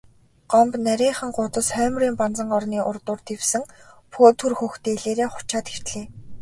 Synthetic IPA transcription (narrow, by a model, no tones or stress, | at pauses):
ɢ̥ɔmpnæɾʲiːɴχə̆ŋɢʊt̪ə̆sχœːmriːmpant͡sə̆ŋɢɔrniːʔʊrt̪ʊːrt̪iwsɘ̆ŋpʰoːt̪ʰurxuxt̪eːɮeːɾeːχʊ̥t͡ɕaːt̪ir̥t̪ɮeː